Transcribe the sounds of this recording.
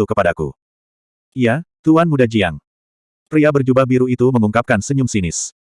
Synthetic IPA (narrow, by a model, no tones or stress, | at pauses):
ukəpadakṵ | ijat̪uanmudad͡ʒiaŋ | pɾiabərd͡ʒubabiɾuit̪uməŋuŋkap̚kansəɲʊmsinɪs